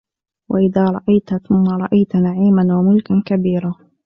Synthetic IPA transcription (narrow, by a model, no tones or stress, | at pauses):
wʔaʔɪðaːɾˤɑʔajt̪θʊmːaɾˤɑʔajt̪naʕiːmanwamʊlkakabiːɾa